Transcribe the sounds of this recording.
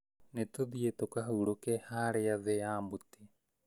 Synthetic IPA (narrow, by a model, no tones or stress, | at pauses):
net̪od̪iet̪okaɦuɾokehaɾejaveaːmbut̪e